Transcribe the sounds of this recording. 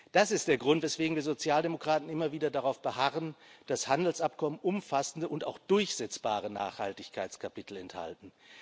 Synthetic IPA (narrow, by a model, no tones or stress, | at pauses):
d̥asɪst̚d̥eːɐɡʁʊntvɛsv̥eːɡŋ̩viːɐzot͡sjaːldemokʁ̥aːtn̩ɪmɐviːdɐdaʁaʊfb̥əhaʁənd̥ashandl̩sʔapkʰɔmənʔʊmfasn̩dəʔʊnta̰ʊxd̥ʊɐçz̥ɛt͡sb̥aːʁəna̰ːχhaltɪçkʰaɪt͡skʰapɪtl̩ɛntha̰ltn̩